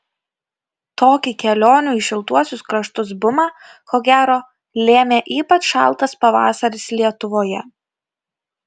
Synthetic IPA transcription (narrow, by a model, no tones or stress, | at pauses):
t̪oːkʲɪkʲɛlʲoːnʲuːɪʃʲɪlˠt̪uɔsʲʊskɾɐʃt̪ʊs̬bʊmɑː | koːɡʲæːɾoː | lʲeːmʲeːʔiːpɐt͡ʃʃɑ̰ˑlˠˑt̪ɐspɐʋɑ̰ːsɐɾʲɪslʲiɛt̪ʊʋoːjɛ